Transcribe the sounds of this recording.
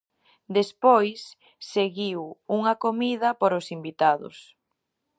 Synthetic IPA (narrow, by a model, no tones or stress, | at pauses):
d̪espojsː | eɣiwuŋɐkomiðɐpoɾʊsimbit̪aðʊ̰s